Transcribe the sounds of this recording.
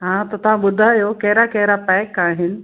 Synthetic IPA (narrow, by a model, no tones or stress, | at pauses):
ɦãːt̪ɐt̪ɐʋ̤ãɓʊd̪ʱaːjokɐɦɪɾakɐɦɪɾapɛːkaːɦɪnɪ̆